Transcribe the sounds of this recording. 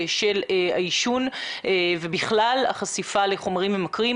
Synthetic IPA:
ʃela̰iʃun | vebiχlala̰χasifale̞χo̞maʁimemakʁi

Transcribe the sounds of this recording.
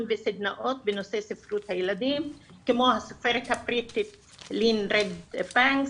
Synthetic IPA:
nvisɪd̪naʔot̪̚bɪnosesɪfɾuːt̪hajlad̪iːmkɪmohasufeɾkapɾit̪ɪt̪ | liːnɾed̪paŋ

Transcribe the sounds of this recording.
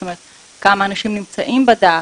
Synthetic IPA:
tomeʁet̪̚ | kamaːnaʃimnimt͡sa̰ʔimbad̪aː

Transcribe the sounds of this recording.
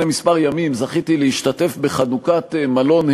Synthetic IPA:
nemispaʁjamimzaχit̪ilehiʃtate̞fbe̞χanukatmalo̞nh

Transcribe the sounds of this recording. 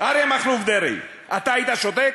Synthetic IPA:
aɾemaχlufd̪eɾḭj | at̪aːjit̪aʃot̪ek

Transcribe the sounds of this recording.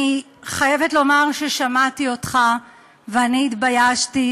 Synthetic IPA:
i | χaje̞vetlo̞maʁʃeʃamatio̞tχa | veaniːtbajaʃti

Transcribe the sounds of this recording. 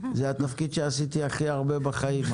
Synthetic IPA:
zeat̪afkid̪ʃeasit̪iaχiaʁbe̞baχaim

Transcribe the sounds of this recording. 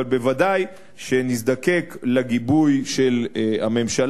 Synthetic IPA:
albevad̪aj | ʃe̞nis̬d̪ake̞klaɡibujʃelhame̞mʃal

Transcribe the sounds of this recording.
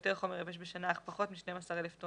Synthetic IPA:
t̪eʁχo̞meʁeveʃ̬beʃanaːχpaχo̞t̪miʃnejmasaʁeleft̪o

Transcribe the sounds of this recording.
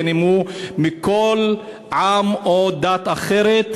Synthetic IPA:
nimumikol | ʕamod̪at̪aχeɾet̪

